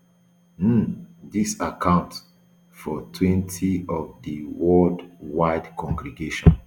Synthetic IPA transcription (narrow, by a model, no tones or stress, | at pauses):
m̩disakʰãʊ̃nt | fɔtʰwɛ̃ntʰiɔvdəwɔldwaɪdkʰɔ̃ŋɡɾiɡeʃɔ̰̃n